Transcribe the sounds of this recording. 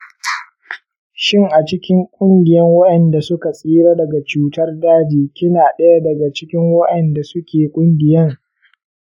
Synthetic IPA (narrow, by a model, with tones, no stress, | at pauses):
ʃɪ˦ŋʔa˨t͡ʃɪ˦kʲɪ˦ŋkʷʼʊ˦ŋɡʲɪ˨jɐ˦ŋwɐ˦ɗɐ˨nda˨sʊ˦ka˨sʼiː˦ɽaː˦dɐ˨ɡa˨t͡ʃuː˦tɐ˦rdaː˦d͡ʒiː˨kʲɪ˦naː˨ɗɐ˦ja˦dɐ˨ɡa˨t͡ʃɪ˦kʲɪ˦ŋwɐ˦ɗɐ˨nda˨sʊ˦kʲʰeː˨kʷʼʊ˦ŋɡʲɪ˨jɐ˦ŋ